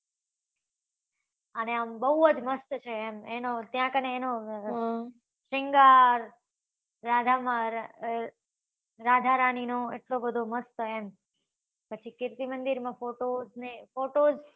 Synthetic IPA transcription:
əneəmbəɦuəd͡ʒməst̪t͡ʃʰeːmenot̪jãkəneːno | ʃɪŋɡaɾː | ad̪ʱamãɾ | ɾad̪ʱaɾaninoḛʈlobəd̪ʱoməst̪əem | pət͡ʃʰikɪɾt̪imənd̪iɾmãfoʈoznefoʈoz

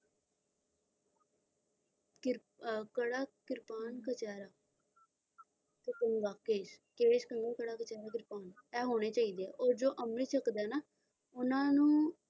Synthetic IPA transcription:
kɪɾ | kəɽaːkɪɾpaːnkət͡ʃaːɾaː | t̪ekəŋɡaːkeːʃkeːɽeːʃkəŋɡaːkəɽaːkət͡ʃaːɾaːk̬ɪɾpaːnɛːɦoːɽ̃eːt͡ʃaːiːd̪eːɛːʔoːɾd͡ʒoːʔəmliːt͡ʃəkd̪ɛːnaː | ʊnãːnũː

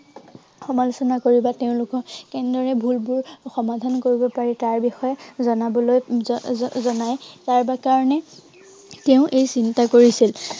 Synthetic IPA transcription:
xɔmalusɔnakoɹibateʊ̃lʊkɔkɛndɔɹɛbʱulbʊɹxɔmadʱankoɹibɔpaɹɛtaɹbixɔjɛzɔnabɔloj | zɔnajtaɹbakaɹɔnɛ | teʊ̃ʔejsintakoɹisil

